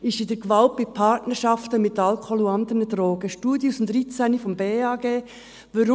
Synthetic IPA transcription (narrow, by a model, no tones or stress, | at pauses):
ɪʃɪdɛɡʋɑlt̚bɪpʰɑɾtnəɾʃɑft̪əmɪt̪ɑlkʰɔluɑnd̪ənəd̥ɾoːɡ̥əʃtuːdjusnd̪ɾit͡sænifɔmbeːɑːɡeː | ʋɑɾʊ